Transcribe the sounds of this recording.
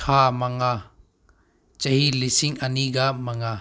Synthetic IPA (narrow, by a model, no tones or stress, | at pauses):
kʰamaŋa | t͡ʃɐhilisiŋɐniɡamɐŋa